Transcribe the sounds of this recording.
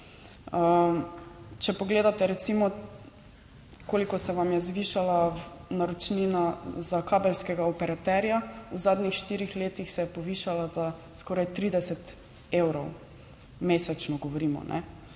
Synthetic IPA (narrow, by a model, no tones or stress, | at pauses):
ə | t͡ʃɛpɔɡleːd̪at̪ɛɾɛt̪simɔ | koːlikɔsɛʋamjɛzʋiːʃalanaɾɔt͡ʃninazakaːbɛlskɛɡaɔpɛɾat̪ɛɾjauzaːd̪nixʃt̪iːɾixleːt̪ixsɛjɛpɔʋiːʃalazaskɔːɾajt̪ɾiːd̪ɛsɛt̪ | eːwɾɔw | meːsɛt͡ʃnɔɡɔʋɔɾiːmɔ̰nʔɛ̰